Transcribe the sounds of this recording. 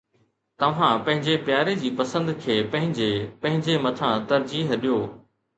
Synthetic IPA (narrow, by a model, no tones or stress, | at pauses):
t̪ɐʋ̤ãpɐ̃ɦɪ̃ɲd͡ʑepjaːɾed͡ʑiːpɐsə̃nd̪kʰeːpɐ̃ɦɪ̃ɲd͡ʑeːpɐ̃ɦɪ̃ɲd͡ʑemɐt̪ʰãt̪ɐɾd͡ʑiːɦɗijoː